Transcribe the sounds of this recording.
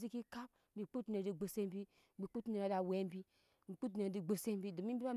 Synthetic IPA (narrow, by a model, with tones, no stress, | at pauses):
zi˦ki˦ka˦p̚bi˨k͡pu˦tne˨di˨ɡ͡bo˨se˦m˦bi˦ | bi˨˦k͡pu˦te˨ɾa˨˦da˨we˦m˦bi˦ | m̩˨k͡pu˦t̬ne˨di˨ɡ͡bo˨se˦m˦bi˦du˨mi˦bi˦a˦